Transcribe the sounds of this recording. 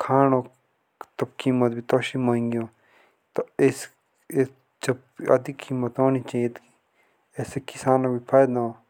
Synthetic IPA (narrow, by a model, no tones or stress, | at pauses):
kʰaːnoː | t̪ɐbkiːmət̪bʱit̪oːʃimãːĩŋɡijõː | t̪ɐes | d͡ʒɐb | ɐd̪ʱikʰiːmət̪oːnit͡ʃait̪ki | eːsekisaːnobipʰaːjd̪ã